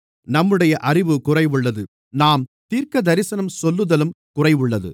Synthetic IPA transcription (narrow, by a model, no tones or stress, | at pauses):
nɐmːɯɽɐjɐʔɐrɪʋɯkʊrɐɪʋɯɭːɐðɯ | naːmt̪iːɾkɐd̪ɐɾɪsɐnɐmsɔlːɯðɐlɯm | kʊrɐɪʋɯɭːɐðɯ̰